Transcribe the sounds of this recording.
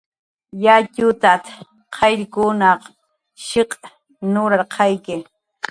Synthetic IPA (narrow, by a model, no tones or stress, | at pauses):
jacʊt̪at̪ | qʰɑjɾkʊnɑq | ʃɪq | nʊɾaɾqʰɑjkɪ